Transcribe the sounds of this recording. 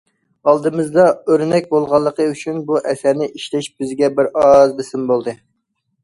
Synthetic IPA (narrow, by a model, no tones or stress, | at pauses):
ɑlˠd̪ɨmɨzd̪ɑøɾnɛk̚ʲbolˠʁɑlˠːəqʰəyt͡ʃʰynbuʔɛsæɾnɪʔiʃlɛʃbɪzɡʲɛbɪɾɑzbɪsɪmbolˠd̪ɨ